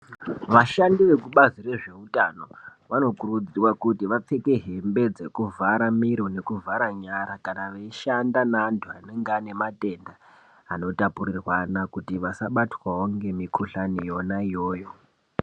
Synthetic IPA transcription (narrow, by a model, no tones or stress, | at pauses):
ʋaʃandiʋe̞kuɓazire̞ʐe̞utano̞ʋano̞kurud͡zirwakutiʋap͡fe̞ke̞ɦe̞mbe̞d͡ze̞kuvaɾamiɾone̞kuvʱaɾaɲaɾakanaʋeiʃandanaːntʰuane̞ŋɡane̞matʼe̞nda | ano̞tapurirwanakutiʋasaɓatwawoŋɡe̞mikʰuɬanijo̞naijo̞ːjo̞